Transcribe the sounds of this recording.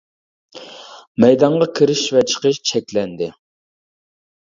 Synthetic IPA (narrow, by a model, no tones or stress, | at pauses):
mɛjd̪ɑɴʁɑkʲʰiɾɪʃvɛt͡ʃʰə̥qəʃt͡ʃʰɛkʲlɛnd̪ɪ